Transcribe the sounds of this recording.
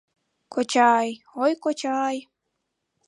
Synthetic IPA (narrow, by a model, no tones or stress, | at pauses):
kot͡ɕɑj | ojkot͡ɕɑj